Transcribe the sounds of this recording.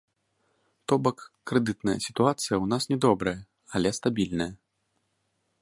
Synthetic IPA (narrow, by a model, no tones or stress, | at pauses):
t̪ɔbɐkːɾɛd̪ɨt̪nɐjɐ̰sʲi̥t̪uat̪sɨjɐwnasnʲɛd̪ɔbɾɐjɐ | alʲɛst̪abʲilʲnɐjɐ